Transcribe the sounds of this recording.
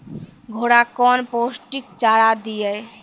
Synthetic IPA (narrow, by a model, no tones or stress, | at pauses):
ɡʱoɽakɔnposʈikt͡ʃaɾad̪ije